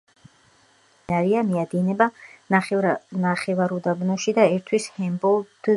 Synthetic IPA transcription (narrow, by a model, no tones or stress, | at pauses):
naɾiamiad̪inɛbanaχnaχɛvaɾud̪abnɔʃid̪aɛɾt̪ʰwishɛmbɔlˠd̪̥